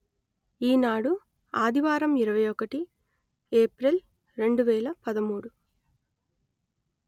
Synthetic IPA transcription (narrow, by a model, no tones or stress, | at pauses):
iːnaːɽu | aːd̪ʱiʋaːɾɐmiɾɐʋɐjɔkɐʈi | eːpɾel | ɾe̞ɳɖuʋɛːlɐpɐd̪ɐmuːɽu